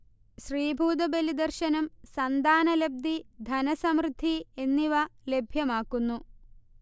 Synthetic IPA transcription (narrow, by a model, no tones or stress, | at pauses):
ɕriːbʱuːd̪ɐbelid̪ɐrɕɐnɐmsɐnd̪aːnɐleb̚d̪id̪ʱɐnɐsɐmrɨd̪ʱːie̞nːiʋɐlebʱjɐmaːkːunːu